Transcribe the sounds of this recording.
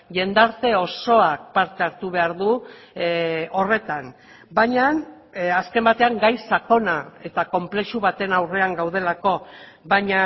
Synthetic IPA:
ʝe̞nd̪aɾt̪e̞o̞so̞ak̚paɾt̪e̞aɾt̪uβe̞aɾðu | o̞re̞t̪an | bajɲan | aske̞mbat̪e̞aŋɡajsako̞nae̞t̪ako̞mple̞ʃuβat̪e̞nawre̞aŋɡawð̞e̞lako̞βaɲa

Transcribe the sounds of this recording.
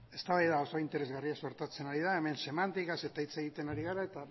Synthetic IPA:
e̞st̪aβajðao̞so̞int̪e̞ɾe̞zɣariaso̞ɾt̪at͡se̞naɾið̞ae̞me̞nse̞mant̪ikase̞t̪ait͡se̞ɣ̞it̪e̞naɾiɣ̞aɾae̞t̪a

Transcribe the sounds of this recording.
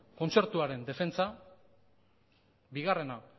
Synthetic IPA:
ko̞nt͡se̞ɾt̪uaɾe̞nd̪e̞fe̞nt͡sa | biɣare̞na

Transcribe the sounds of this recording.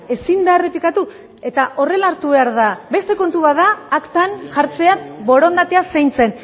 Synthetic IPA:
e̞sind̪are̞plikat̪u | e̞t̪aʔo̞re̞laːɾt̪uβe̞aɾðabe̞st̪e̞ko̞nt̪uβaðaːkt̪anʝaɾt͡se̞abo̞ɾo̞nd̪at̪e̞asejnt͡se̞n

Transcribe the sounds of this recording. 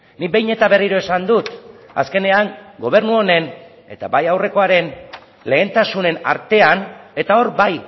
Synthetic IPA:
nibe̞jɲe̞t̪aβe̞riɾo̞e̞sand̪ut̪a̰ske̞ne̞aŋɡo̞β̞e̞ɾnuo̞ne̞n | e̞̰t̪a̰bajawre̞ko̞aɾe̞n | le̞ːnt̪asune̞na̰ɾt̪e̞ane̞t̪ao̞ɾbaj

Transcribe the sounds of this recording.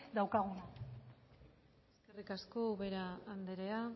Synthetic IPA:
d̪awkaɣuna | eske̞rikasko̞βe̞ɾaːnd̪eɾea

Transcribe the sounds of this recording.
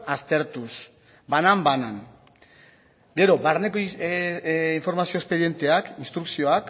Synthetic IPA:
ast̪e̞ɾt̪us | banambanan | ɡe̞ɾo̞baɾneko | iɱfo̞ɾmasio̞espe̞ðje̞nt̪e̞akinst̪ɾuksio̞ak

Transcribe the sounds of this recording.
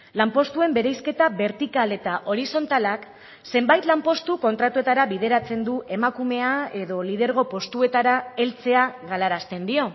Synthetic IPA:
lampo̞st̪ue̞mbe̞ɾejske̞t̪aβe̞ɾt̪ikale̞t̪aʔo̞ɾiso̞nt̪alak | se̞mbajt̪lampo̞st̪uko̞nt̪ɾat̪ue̞t̪aɾaβið̞e̞ɾat͡se̞nd̪uʔe̞makume̞ae̞ðo̞lið̞e̞ɾɣ̞o̞po̞st̪ue̞t̪aɾae̞lt͡se̞aɣalaɾast̪e̞nd̪io̞

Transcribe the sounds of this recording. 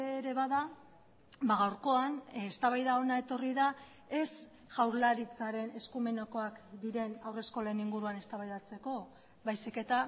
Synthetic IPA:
eɾe̞βaða | baɣawɾko̞anest̪aβajðao̞nae̞t̪o̞riða | e̞s | ʝawɾlaɾit͡saɾe̞ne̞skume̞noko̞akd̪iɾe̞nawre̞sko̞le̞niŋɡuɾuane̞st̪aβajðat͡se̞ko̞ | βajsike̞t̪a

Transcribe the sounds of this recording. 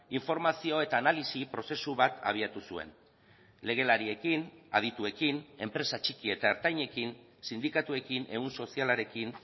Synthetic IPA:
iɱfo̞ɾmasio̞e̞t̪aːnalisipɾo̞se̞suβat̪a̰β̞iat̪usue̞̰n | le̞ɣ̞e̞laɾie̞kina̰ð̞it̪ue̞kine̞mpɾe̞sat͡ʃikie̞t̪aeɾt̪ajɲe̞kin | sind̪ikat̪ue̞kinʔe̞unso̞sialaɾe̞kin

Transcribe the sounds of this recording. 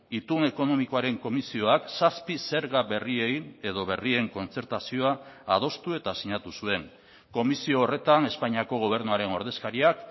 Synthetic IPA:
it̪une̞ko̞no̞miko̞aɾe̞ŋko̞misio̞aksaspise̞ɾɣaβe̞rie̞je̞ðo̞βe̞rie̞ŋko̞nt͡se̞ɾt̪asio̞aːð̞o̞st̪ue̞t̪asiɲat̪usue̞ŋ | ko̞misio̞ːre̞t̪ane̞spaɲiako̞ɣ̞o̞β̞e̞ɾnuaɾe̞no̞ɾðe̞skaɾiak

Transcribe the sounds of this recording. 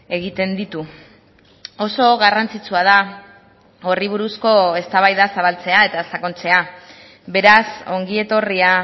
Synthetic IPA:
e̞ɣ̞it̪e̞nd̪it̪u | o̞so̞ɣarant͡sit͡suað̞a | o̞riβ̞uɾusko̞e̞st̪aβajðasaβ̞alt͡se̞ae̞t̪asako̞nt͡se̞a | be̞ɾaso̞ŋɡie̞t̪o̞ria

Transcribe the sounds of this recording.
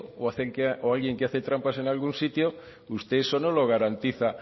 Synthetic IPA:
oaθekeoalɣje̞ŋkeaθet̪ɾampase̞nalɣunsit̪jo | ust̪e̞sonolo̞ɣ̞aɾant̪iθa

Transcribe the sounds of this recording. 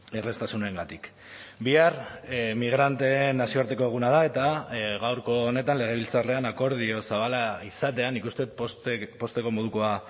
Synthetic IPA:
e̞re̞st̪asunae̞ŋɡat̪ik | biarmiɣ̞ɾant̪e̞nːasio̞aɾt̪e̞ko̞e̞ɣ̞unað̞ae̞t̪aɣawɾko̞ːne̞t̪anle̞ɣ̞e̞β̞ilt͡sare̞anako̞ɾð̞io̞saβ̞alaisat̪e̞anikust̪e̞t̪̚ppo̞st̪e̞ko̞mo̞ð̞ukoa

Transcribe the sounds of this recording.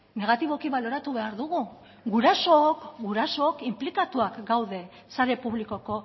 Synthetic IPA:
ne̞ɣ̞at̪iβ̞o̞kiβaloɾat̪uβe̞aɾðuɣu | ɡuɾaso̞kɡuɾaso̞ːkimplikat̪uakɡawðe̞ | saɾe̞puβliko̞ko̞

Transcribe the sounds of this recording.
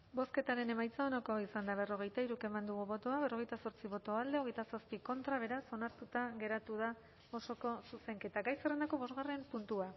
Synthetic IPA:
bo̞ske̞t̪aɾe̞ne̞majt͡sao̞nako̞isand̪aβ̞e̞ro̞ɣ̞e̞jt̪aiɾuke̞mand̪uɣuβo̞t̪oaβeroe̞jt̪aso̞ɾt͡siβo̞t̪o̞ald̪e̞oɣ̞e̞jt̪asaspiko̞nt̪ɾaβ̞e̞ɾaso̞naɾt̪ut̪aɣe̞ɾat̪uða | o̞so̞ko̞suse̞ŋke̞t̪aɡajsere̞nd̪ako̞β̞o̞zɣare̞mpunt̪ua

